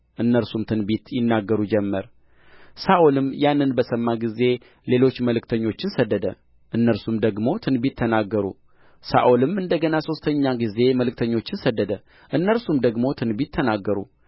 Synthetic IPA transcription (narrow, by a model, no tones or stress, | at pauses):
ʔɨnːəɾsumt̪ʰɨnbit̪jɪnːaɡːəɾud͡ʒɛmːəɾ | saʔulɨmjanːɨnbəsəmːaɡize̞ | le̞lo̞t͡ʃːməlɨkt̪ʰəɲːo̞t͡ʃːɪnsəd̪ːəd̪ə̰ | ʔɨnːəɾsumd̪əɡmo̞t̪ʰɨnbit̪ʰːənaɡːəɾṵ | sa̰ʔolɨmɨnd̪əɡənaso̞st̪ʰəɲːaɡize̞məlɨk̚t̪ʰəɲːo̞t͡ʃːɪnsəd̪ːəd̪ə | ʔɨnːəɾsumd̪əɡmo̞t̪ʰɨnbit̪ʰːənaɡːəɾṵ